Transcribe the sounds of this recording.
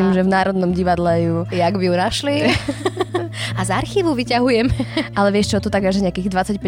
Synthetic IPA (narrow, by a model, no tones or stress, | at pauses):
imʒɛvnaːɾɔd̪nɔmɟiʋad̪lɛjujaɡbijunaʃli | azaɾxiːʋuʋicaɦujɛmɛalɛʋɪɛʃt͡ʃɔt̪ut̪aɡaʒɛɲɛakiːɣd̪ʋat͡sːacpɛ